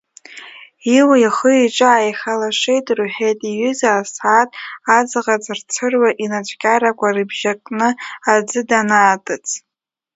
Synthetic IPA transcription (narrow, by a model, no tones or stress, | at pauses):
iwaiχəiʈ͡ʂʷʼɨajχʲalaʂʷejtʼruħejtʼiɥʏzaːsatʼad͡zʁat͡sʼɨrt͡sʰɨrwaʔinat͡ʃʷʰʼkʲʼaɾakʷʼarɨbʒakʼnɨad͡zɨdanaːtʼɨt͡sʼʰ